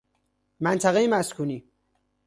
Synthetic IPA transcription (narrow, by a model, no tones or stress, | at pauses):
mænt̪ʰæɣejemæskʰuniː